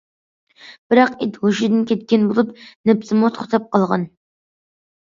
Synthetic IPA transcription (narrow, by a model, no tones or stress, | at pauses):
b̥ɪɾɑqet̪hoʃid̪ɪnkʲʰɛt̪̚kʲɛnbolˠupnɛpsɪmʊt̪ʰχt̪ʰɑp̚qɑlˠʁɑ̰n